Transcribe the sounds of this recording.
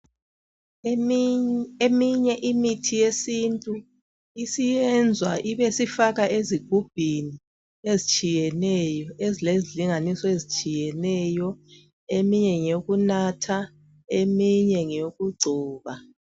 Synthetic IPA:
emiɲɛʔimitʰijesintʼu | isijɛnd͡zʱwaʔiβesifaɣaʔeziɡ̥ʱub̥ʱini | ezit͡ʃʼijɛnɛjɔezileziliŋanisɔezit͡ʃʼijɛnɛjɔ | emiɲɛŋoɣunatʰa | emiɲɛŋoɣuɡ͡ǀʱuːβa

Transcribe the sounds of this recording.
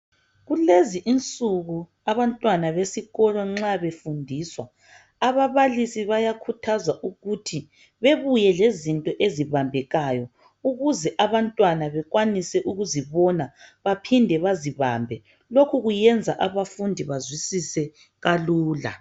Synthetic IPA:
ɣuleziʔint͡sʼuɣu | aβantʼwanaβesiɣɔlɔŋ͡ǁaβefundʱiːswaː | βaβalisiβajakʰutʰazaʔuɣutʰi | βeβujɛlezintʼɔʔeziβambʱɛɣajɔ | uɣuzɛʔaβantʼwanaβɛɣwanisɛʔuɣuziβɔnaβapʰindʱɛβaziβambʱɛ | lokʰuɣujɛnd͡zʱaʔaβafundʱiβazwisisɛ | ɣaluːla̰

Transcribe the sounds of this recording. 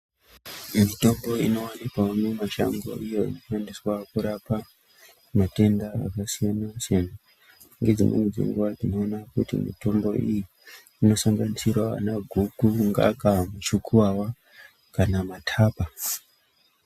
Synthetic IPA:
mito̞mbo̞ino̞wanikaunemaʃa̰ŋɡo̞̰ʔijo̞ḭnofandiswakuɾapa | mate̞ndaa̰kasijanasana | ŋɡe̞d͡zḭnḛned͡zḭŋɡuʋad͡zino̞ːnakutḭmḭto̞mbo̞̰iji | ino̞saŋɡanisirwaa̰naɡʱukuŋɡa̰kamut͡ʃukʰuwawa | kanamatʰaːpa

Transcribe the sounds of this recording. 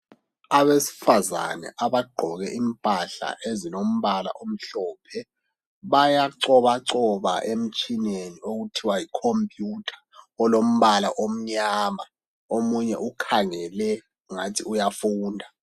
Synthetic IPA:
aβesi̥faza̰nɛ̰ʔaβaɡ͡ǃʱɔɣɛʔimpʼaɬa̰ʔezinom̩βala̰ʔom̩ɬɔːpʰɛ | βajaǀɔβaǀɔβa̰ʔem̩t͡ʃʼinenioɣutʰiwajikʰompʼjutʰḁɔlom̩βalaʔom̩ɲaːma | omuɲɛʔukʰaŋɛlɛ | ŋatʰiujafuːndʱa

